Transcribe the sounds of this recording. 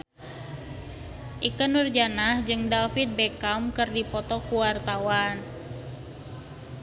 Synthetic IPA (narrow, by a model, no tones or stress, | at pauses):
ʔikənurd͡ʒanahd͡ʒɨŋdalfit̪̚bɛkamkɨrdipɔt̪ɔkuwart̪awan